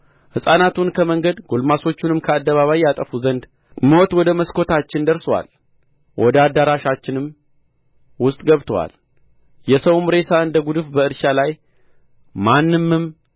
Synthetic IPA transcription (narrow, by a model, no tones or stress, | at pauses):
hɨsʼanat̪ʰunkʰəməŋɡəd̪ɡolmaso̞t͡ʃːunɨmkʰəad̪ːəβaβajːat̪ʼəfuzənd̪ | mot̪wɔd̪əməskʰo̞t̪at͡ʃːɪnd̪əɾsəwa̰l | wʔɔd̪əad̪ːaɾaʃat͡ʃːɪnɨm | wʊst̪ʼɡəβt̪ʰəwa̰l | jɛsəwumɾe̞saɨnd̪əɡud̪ɨfbəɨɾʃalaj | manːɨmːɨm